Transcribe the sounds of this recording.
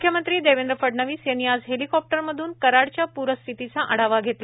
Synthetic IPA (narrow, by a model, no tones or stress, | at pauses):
ukʰjəmənt̪ɾiːd̪eʋend̪ɾəfəɖɳəʋiːsjeniad͡zɦelikɔp̚ʈəɾməd̪ʱuːnkəɾaɽt͡ɕjapuɾəst̪ʰit̪it͡saʔəɽ̤aʋaɡʱet̪la